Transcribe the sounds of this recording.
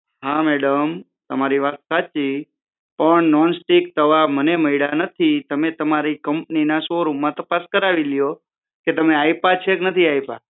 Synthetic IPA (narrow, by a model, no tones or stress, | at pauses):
ɦãmɛɽəm | t̪əmaɾiʋat̪sat͡ʃi | pəɳnɔnsʈik̚t̪əʋaməneməiɭanət̪ʰit̪əmet̪əmaɾikəmpninasoɾumːãt̪əpaskəɾaʋiljo | ket̪əmeaipat͡ʃʰeknət̪ʰiajpa̰